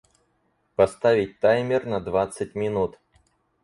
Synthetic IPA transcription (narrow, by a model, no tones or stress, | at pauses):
pɐst̪avʲɪt̚ʲt̪ajmʲɪrnɐd̪vat̪sət̚ʲmʲɪnut̪